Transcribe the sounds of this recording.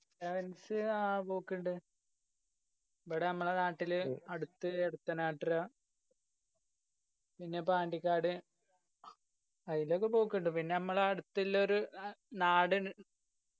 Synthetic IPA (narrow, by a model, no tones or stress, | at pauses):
seʋɐnsɨapoːkːiɳɖɨ | pɐɽenɐmːɐɭenaːʈːilɐɽut̪ːɨeɽut̪ːɐnaːʈːilaː | pinːe̞paːɳɖikʲːaːɽɨ | ɐðilo̞ːkːepo̞ːkːeɳɖɨpinːe̞nɐmːɐɭeɐɽut̪ːilːɐoɾunaːɽɨ